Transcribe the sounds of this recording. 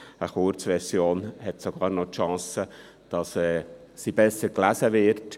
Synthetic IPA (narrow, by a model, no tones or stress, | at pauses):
əχʊɾt͡sʋɛɾsjoːnhɛtsoɡ̥ɑːɾnotʃɑ̃ːsə | d̥ɑsɛːsibɛsəklæsəʋɪɾt